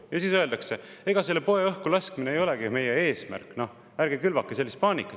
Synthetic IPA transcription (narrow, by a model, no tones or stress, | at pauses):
jɑsiːsø̞e̞ld̪ɑkse̞e̞ɡ̥ɑse̞lːepo̞eɤhkulɑskmineejo̞leɡime̞jee̞ːsmæ̰rkːˑno̞ | æɾɡekylvɑkːˑeselːist̪̚pɑːnʲikːˑɑ